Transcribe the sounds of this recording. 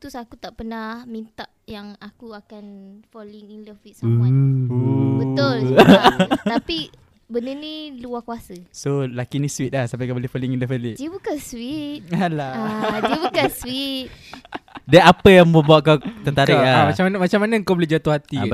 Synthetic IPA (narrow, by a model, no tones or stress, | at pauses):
t̪usakut̪aʔpənahmint̪aʔjaŋakuakanfoliŋindəswit̪̚s | bət̪ʊl | t̪api | bənəniluahkuasəsolakiniswit̪̚lahsampaʔkabəlifoliŋindəfeliʔdiəbukanswit̪̚alaadiəbukanswit̪̚ | daapəjaŋbəbuaʔkawt̪əŋt̪akɾiaaamat͡ʃamnmat͡ʃamanaŋkabəlid͡ʒat̪uhat̪i